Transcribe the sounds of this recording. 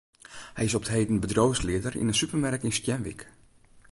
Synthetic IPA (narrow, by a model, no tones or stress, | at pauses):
hɛjɪsɔptheːdən̩bədroːslɪədərḭnənsypərmɛɾkɪnstjɛnʋḭk